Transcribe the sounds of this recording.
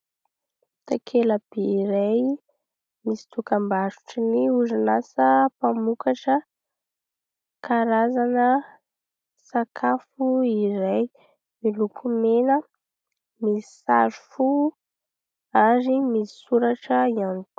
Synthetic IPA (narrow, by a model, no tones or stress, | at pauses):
t̪akʰeləb̥eiɾaj | misi̥t̪ukambazu̥ʈ͡ʂiniuzanasəpamukaʈ͡ʂə | kaɾazanə | sakʰafuiɾaj | milukʰumenə | misi̥saɾufu | aɾimisi̥suɾaʈ͡ʂəianut̪u̥